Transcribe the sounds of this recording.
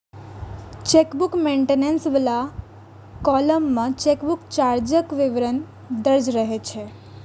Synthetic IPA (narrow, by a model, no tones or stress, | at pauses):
t͡ʃekbukmẽɳʈenensʋəla | kɔləmːãt͡ʃekbukt͡ʃaɾd͡ʒəkʋiʋɾən | d̪əɾd͡ʒɾəɦet͡ʃʰe